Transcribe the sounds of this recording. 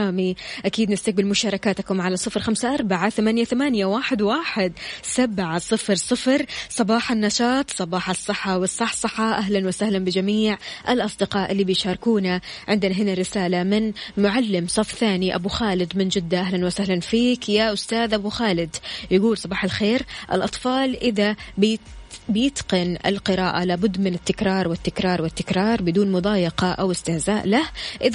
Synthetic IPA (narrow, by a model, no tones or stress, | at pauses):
aːmiʔakiːd̪nɪst̪ak̚bɪlmʊʃɑːɾˤɑkaːt̪kʊmʕalasˤɨfɾxamsaʔɑɾˤbaʕaθamanjaθamaːnjawaːħɪd̪waːħɪd̪sabʕasˤɨfɾsˤɨfɾsˤɑbɑːħɑnːɑʃɑːt̪ˤsˤɑbɑːħɑsˤːɨħːɑwɪsˤːɑħsˤɨħːɑʔaɦlanwasahlanbɪd͡ʒamiːʕʔalʔɑsˤd̪ɪqɑːʔɪlːibɪjʃɑːɾˤkuːnaʕɪnd̪ɪnaɦɪnarːɪsaːlamɪnmʊʕalːɪmsˤɑfθaːniʔa̰buxaːlɪd̪mɪnd͡ʒɪd̪ːaʔaɦlanwasahlanfiːkjaʔʊst̪aːðʔabuxaːlɪd̪jaɡuːlsˤɑbɑːħalxeːɾʔɪ̰lʔɑt̪ˤfɑːlʔɪða | bɪjɪt̪qɪnɪ̰lqɨɾaːʔalaːbʊd̪ːmɪnɪt̪ːɪkɾɑːɾˤwɪt̪ːɪkɾˤɑːɾˤwɪt̪ːɪkɾˤɑːɾˤbɪd̪uːnmʊd̪ˤɑːjɪqɑʔawɪst̪ɪhzaːʔlahʔɪð